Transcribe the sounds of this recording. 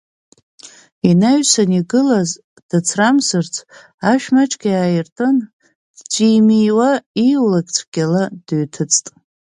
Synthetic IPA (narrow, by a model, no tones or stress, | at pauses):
inaɥsaniɡɨlaz | d̥at͡sʰramsɨrt͡sʰ | aʃᶣmat͡ʃʼɡʲajaːjɪrtʼɨn | d̥t͡sʷʼiːmijwaiwlakʼt͡sʷʰɡʲalad̥ɨɥtʰɨt͡sʼtʼ